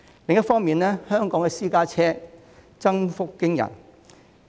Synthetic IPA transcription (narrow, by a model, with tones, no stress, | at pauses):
lɪ˨ŋjɐ˥tfɔː˥ŋmiː˨nɛː˥hœː˥ŋkɔː˨˥ŋɛ˨siː˥kaː˥t͡sʰɛː˥ | t͡sɐ˥ŋfʊ˥kːɪ˥ŋjɐ̰˨˩n